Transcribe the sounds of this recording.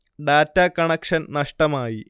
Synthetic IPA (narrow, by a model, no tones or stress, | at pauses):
ɖaːtːakɐɳɐkʂɐnnɐʂʈɐmaːji